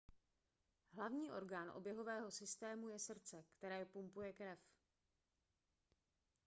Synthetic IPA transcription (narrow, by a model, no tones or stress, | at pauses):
ɦlavɲiːʔo̞ɾɡaːnʔo̰bjɛɦo̞vɛːɦo̞sɪst̪ɛːmujɛsr̩t͡sɛkt̪ɛɾɛːpumpujɛkɾɛf